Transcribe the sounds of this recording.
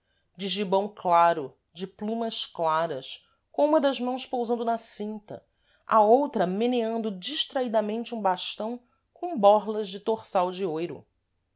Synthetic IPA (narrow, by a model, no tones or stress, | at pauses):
d͡ʒɪʒibɐ̃w̃klaɾʊ | d͡ʒɪplũmɐʃklaɾɐs | kõũmɐd̪ɐzmɐ̃w̃spowzɐ̃nd̪ʊnɐsĩnt̪ɐ̰ | a̰owt̪ɾɐmeneɐ̃nd̪ʊd͡ʒiʃt̪ɾaid̪ɐmẽnt͡ʃɪũbaʃt̪ɐ̃w̃ | kõbɔɾlɐzd͡ʒɪt̪oχsawd͡ʒɪojɾʊ̰